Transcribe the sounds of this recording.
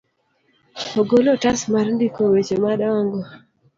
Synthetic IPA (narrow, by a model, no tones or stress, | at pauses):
oɡolotasmarndikowet͡ʃomadŋɡo